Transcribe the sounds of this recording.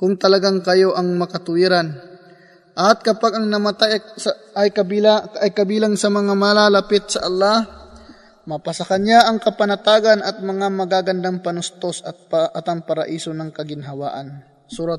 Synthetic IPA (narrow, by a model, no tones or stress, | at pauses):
kʊŋt̪ɐlɐɡaŋkɐjo̞ʔɐŋmɐkɐt̪ʊiɾan | ʔɐt̪̚kɐpaɡɐŋnɐmat̪ajsʔɐjkɐbilaɐjkɐbiːlaŋsɐmɐŋamalalɐpɪt̪̚sɐʔɐlˠːah | mɐpɐsɐkanjaʔɐŋkɐpɐnɐt̪aːɡanɐt̪̚mɐŋamɐɡaːɡɐnd̪aŋpɐnʊst̪osɐt̪̚ʔɐt̪ɐŋpɐɾɐ̰ʔiːsonɐŋkɐɡɪnɦɐwa̰ːʔɐn | suːɾat̪̚